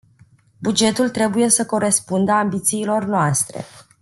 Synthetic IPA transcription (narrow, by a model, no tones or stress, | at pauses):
bud͡ʒe̞t̪ult̪ɾe̞buje̞səko̞ɾe̞spund̪əambit̪siːlo̞rnoast̪ɾe̞̰